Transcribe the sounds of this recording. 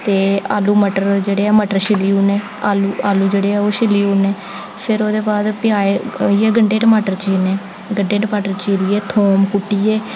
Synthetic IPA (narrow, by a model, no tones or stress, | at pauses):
t̪eːa̰ːluːməʈəɾd͡ʒeːɽeːɛːməʈəɾʃɪliːuːneː | aːluːaːluːd͡ʒeːɽeːɛːoːʃɪliːuːneː | pʰɪɾoːd̪eːbaːd̪pɪaːeiɛːɡəɳɖeːʈəmaːʈəɾt͡ʃiːneː | ɡəɳɖeːʈəmaːʈəɾt͡ʃiːɾiːɛːt̪ʰoːmkʊʈːiːɛː